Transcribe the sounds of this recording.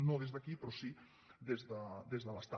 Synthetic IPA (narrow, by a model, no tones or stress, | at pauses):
nõðezðɐkipɾɔsi | d̪ezðəd̪ezðəlɐst̪a